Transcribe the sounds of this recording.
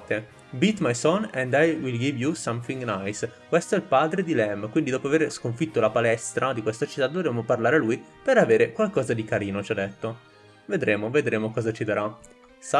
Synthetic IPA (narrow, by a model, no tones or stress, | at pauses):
t̪ːe | bit̪majsɔnɛ̃nd̪ajwilɡivjusãmθiŋɡnajskwest̪oɛlpaːd̪ɾed̪ilɛmkwind̪id̪ɔːpoaveːɾskoɱfit̪ːolapalɛst̪ɾad̪ikwest̪at͡ʃit̪ːad̪ovɾeːmoparlaːɾealujpeɾaveːɾekwalkɔːzad̪ikaɾiːnot͡ʃad̪ːɛt̪ːo | ved̪ɾeːmoved̪ɾeːmokɔːzat͡ʃid̪aɾa | s